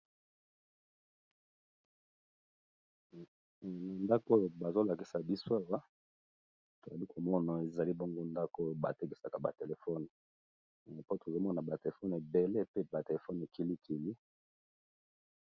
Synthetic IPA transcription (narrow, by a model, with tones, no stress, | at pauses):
na˨nda˦ko˦jo˨ba˨zo˦la˨ki˨sa˨bi˦so˦a˦˨wa˦ | to˨za˨li˦kʰo˨mɔ˦na˨e˨za˨li˦bo˦ŋɡo˦nda˦ko˦˨ba˨te˦ke˨sa˨ka˨ba̰˨te˨le˨fɔ˦n˨ | po˦to˨zo˦mɔ˦na˨ba˨te˨le˨fɔ˦ne˨be˨le˦pe˦ba˨te˨e˨fɔ˦n˨e˨ki˨li˦kʰi˨li˦